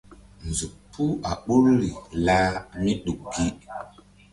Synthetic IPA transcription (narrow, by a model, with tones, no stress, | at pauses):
n˨zu˨pʰːu˦a˨ɓu˦ɾli˨la˦mi˦ɗu˨k̚ɡi˦